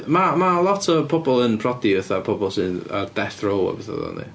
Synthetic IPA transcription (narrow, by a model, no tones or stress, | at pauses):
mamalˠɔtʰəpʰɔbɔlˠənpʰrɔdivɛθapʰɔbɔlˠsɨna̰rd̥ɛθrowa̰vɛθa̰ðɔ̰nḭ